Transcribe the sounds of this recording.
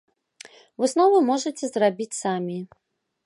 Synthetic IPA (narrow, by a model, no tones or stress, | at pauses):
vɨsnɔvɨmɔʐɐt͡sʲɛzrabʲit͡sʲsamʲi